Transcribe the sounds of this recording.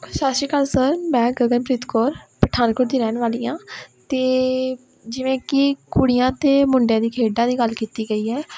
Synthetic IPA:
ʃaːʃiːkəlsəɾmɛ̃ːɡəɡənpɾɪt̪koːɾpəʈʰaːnkoːɾd̪iːɾɛːnʋaːlijãːt̪eː | d͡ʒɪʋẽːkɪkʊɽɪjãːt̪eːmʊɳɖjãːd̪iːkʰeːɖãːd̪iːɡəlkiːt̪iːɡəiːɦɛː

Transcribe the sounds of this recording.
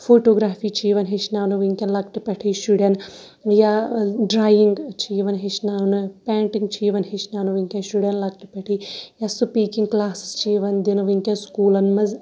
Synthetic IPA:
foːʈoːɡɾaːfiːt͡ʃiːʋɐnɦiʃnaːnuʋiŋkʲɐnlɐk̚ʈɨpɐʈʰiʃuɽɐn | jaɖɾaːjiŋɡt͡ʃʰiːʋɐnɦit͡ʃnaːnɨpʲaːɳʈiŋɡt͡ʃʰiːʋɐnɦit͡ʃnaːnuʋiŋkʲɐnʃuɽɐnlɐk̚ʈɨpʲɐʈʰijasupiːkiŋɡklaːsi̥st͡ʃiːʋɐnd̪inuʋiŋkʲɐnskuːlɐnmɐz

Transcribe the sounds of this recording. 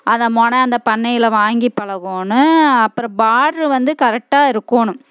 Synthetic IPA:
ʔɐðɐmɔɳɐ̃ɐnd̪ɐpɐɳːɐjɪlɐʋaːŋɡipːɐɭɐɣoːnɯɐpːɯɾɐ̃baːʈɾɯʋɐnd̪ɯkɐɾɛk̚ʈaːɪɾɯkːoːnʊ̃

